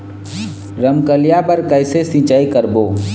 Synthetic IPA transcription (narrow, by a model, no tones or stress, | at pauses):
ɾəmkəljapəɾkəɪsesĩːt͡ʃaːikəɾboː